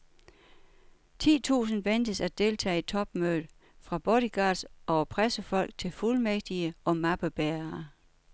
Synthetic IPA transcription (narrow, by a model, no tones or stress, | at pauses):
t͡sʰḭːt͡sʰṵːsn̩ʋend̥əsæ̥d̥e̝lt͡sʰɛ̰ːe̝d̥̚t͡sʰɒ̽b̥møːd̥ | fʁɑ̈b̥ɔɾ̥iɡ̥ɑ̰̈ːd̥sʔɒpʰʁasəfɒ̽l̰ɡ̥̚t͡sʰe̝lfulmeɡ̥̚d̥iəɒ̽mɑ̈b̥əb̥æːɐ